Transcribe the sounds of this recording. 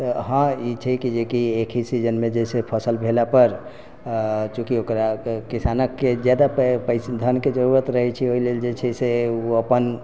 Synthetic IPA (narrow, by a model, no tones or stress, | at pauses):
t̪əɦãit͡ʃʰɛkid͡ʒekiekʰisid͡ʒənmed͡ʒesepʰəsəlbʱelapəɾ | t͡ʃũkiokɾakisanəkːed͡ʒjad̪appəsd̪ʱənked͡ʒəɾuɾət̪ɾəɦɛt͡ʃʰioileld͡ʒet͡ʃʰɛseuəpən